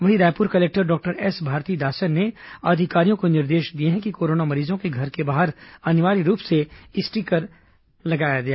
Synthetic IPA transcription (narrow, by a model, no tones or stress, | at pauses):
ʋɐɦiɾaːjpʊɾkɐleːk̚ʈəɾɖɔːk̚ʈəɾɛsbʱaːɾt̪iːd̪aːʃənːead̪ʱɪkaːɾijõkonɪɾd̪eːʃd̪ieɦɛ̃kikoːɾoːnamɐɾiːzõkeɡʱɐɾkebaːɦəɾɐnɪʋaːɾiɾuːpseɪsʈikɐɾ | lɐɡaːjaɡɐjaː